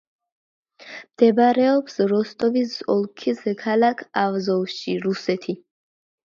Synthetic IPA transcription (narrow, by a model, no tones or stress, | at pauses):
md̪̥ɛbɾɛɔpsɾɔst̪ʼɔvisɔlˠkʰiskʰalakʰavzɔvʃiɾusɛt̪ʰi